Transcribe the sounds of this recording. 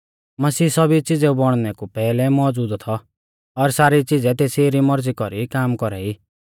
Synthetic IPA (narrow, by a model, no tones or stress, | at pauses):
mɐsiːsɔbit͡sid͡zɛubɔɽ̃nɛkupɛːlɛmɔːd͡zuːd̪t̪ʰɔ | ɔɾsaːɾit͡sid͡zɛt̪eːseɾimɔɾd͡zikɔɾikaːmkɔɾɛiː